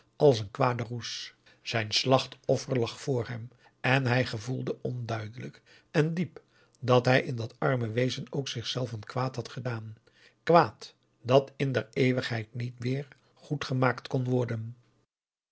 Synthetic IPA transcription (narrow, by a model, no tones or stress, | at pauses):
ʔɑlˠsənkʋaːdərus | z̥ɛjnslɑχtɔfəɹlɑχfʊːɹɦɛm | ɛnɦɛjχəvulˠdəʔɔndœɥdələk | ɛndip | dɑtɦɛjɪndɑtɑɹməʋejzənowksɪχsɛlˠfənkʋaːtɦɑtχədaːn | kʋaːt | d̥ɑtɪndɛɹejʋəχɦɛjtnitmɪːɹ | χutχəmaːktkɔnʋɔɹdən